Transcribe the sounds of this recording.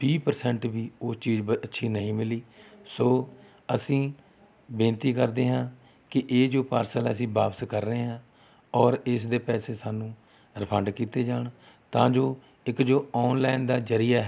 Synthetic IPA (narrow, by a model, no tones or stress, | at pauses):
biːpəɾsɛɳʈbiːoːt͡ʃiːd͡ʒəətːʃʰiːnəɦĩːmɪliːsoː | əsĩː | bẽːnt̪iːkəɾd̪eːɦãː | kɪʔeːd͡ʒoːpaːɾsələsĩːbaːpskəɾːəɦeːɦãː | ɔːɾɪs̬d̪eːpɛːseːsaːnũː | ɾəpʰə̃ɳɖkiːt̪eːd͡ʒaːɳ | t̪ãːd͡ʒoː | ɪkd͡ʒoːɔːnlaːɪnd̪aːd͡ʒəɾɪjaːɦ